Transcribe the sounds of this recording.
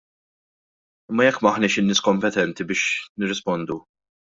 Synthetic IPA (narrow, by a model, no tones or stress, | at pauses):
ɪmːɐjɛkːmɐħnɪːʃɪnːɪːskɔmpɛt̪ɛnt̪ibɪːʃnɪrːɪspɔnd̪u